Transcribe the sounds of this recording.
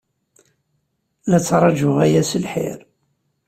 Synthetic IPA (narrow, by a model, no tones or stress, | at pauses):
læt͡sːɾˤɑd͡ʒʊʁæjæsəlħɪ̰ɾ